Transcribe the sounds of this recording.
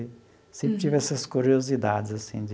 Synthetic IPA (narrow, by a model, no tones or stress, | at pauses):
ɪ | sẽmpɾɪt͡ʃ̪ivɛsɐskuɾiozid̪ad̪ɪzasḭ̃d